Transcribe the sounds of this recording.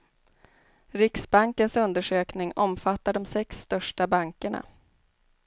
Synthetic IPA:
ɾɪksbaŋkənsɵnd̪əʂøːknɪŋɔmfat̪ːaɖɔmsɛkst̪œʂʈabaŋkəɳa̰

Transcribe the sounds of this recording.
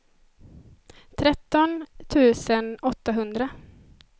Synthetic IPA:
t̪ʰɾɛt̪ːɔnt̪ʰʉ̟ːsənɔt̪ːaɦɵnd̪ɾa

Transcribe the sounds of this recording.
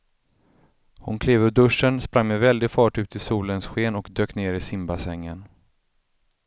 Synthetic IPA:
hʊnkʰleːvəd̪ɵʂːənspɾaŋmɛvɛld̪ɪɡfɑːʈʉ̟ːt̪ʰɪsuːlənsɧeːnɔkd̪øːkneːɾɪsɪmbasɛŋːən

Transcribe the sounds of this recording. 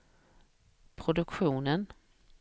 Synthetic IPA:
pʰɾʊd̪ɵkɧuːnən

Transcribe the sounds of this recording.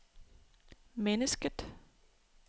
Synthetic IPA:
mɛnəskət̪

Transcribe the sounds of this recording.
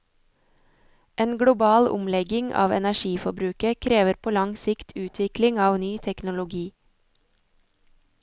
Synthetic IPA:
ʔeːnɡɽʊbɑːlʊ̰mlɛɡɪŋʔɑ̰ːʋɛ̰næʃiːfɔbɾʉːkəkʰɾeːʋəɾpʰoːlɑŋsɪkt̪ʰʉːt̪ʰʋɪklɪŋɑːʋnyːt̪ʰɛknʊlʊɡiː

